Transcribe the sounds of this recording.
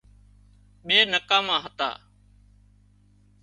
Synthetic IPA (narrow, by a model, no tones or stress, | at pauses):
ɓeːnəkaːmãːɦət̪a̰ː